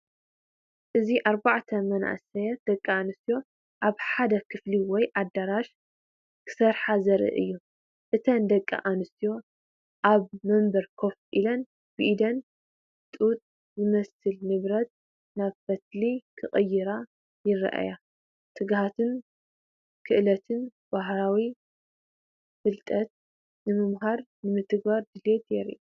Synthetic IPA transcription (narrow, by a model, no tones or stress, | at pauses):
ʔɨziʔaɾbaʕt̪ʰɐmɐnʔa̰sɐjɐt̪̚d̪̥ɐkʼːaanɨst̪ijo̞ | ʔaβħad̪ɐkʰɨfliwɔjʔad̪ːaɾaʃ | kʰɨ̥sɐɾħazɐɾʔɨ̰ʔɨ̰jːu | ʔɨt̪ʰɐnd̪ɐkʼːa̰ʔanɨst̪ijo̞ | ʔaβmɐmbɐɾkʰo̞fʔilɐn | b̥ɨʔid̪ɐn | t̪ʼut̪ʼ | zɨmɐsɨlnɨβɾɐt̪̚ | naβfɐt̪likʰɨχʼɐjːɪɾa | jɪɾ̰ʔa̰ja | t̪ʰɨɡhat̪ʰɨn | kʰɨʔlɐt̪ʰɨn | b̥aɦɾawi | fɨlt̪ʼɐt̪̚ | nɨmɨmɦaɾnɨmɨt̪ɨɡbaɾd̪ɨlet̪jɛɾḭʔu